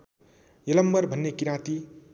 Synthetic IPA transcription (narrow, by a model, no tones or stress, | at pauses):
jʌlʌmbʌrbʱʌnːekiɾãt̪i